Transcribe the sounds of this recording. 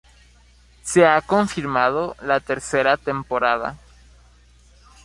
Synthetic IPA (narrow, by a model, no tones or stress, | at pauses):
seakoɱfiɾmaðolat̪e̞ɾseɾat̪empo̞ɾaða̰